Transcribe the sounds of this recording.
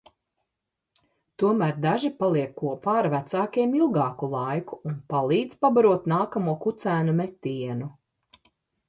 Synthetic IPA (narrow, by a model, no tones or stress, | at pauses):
t̪uɔmæːɾd̪aʒipalˠiɛkːuɔpaːɾvæt̪saːkiɛmilˠɡɑːkulˠajkuunpalˠiːd̪zpabaɾuɔt̪naːkamuɔkut̪sæːnumɛt̪ːiɛnu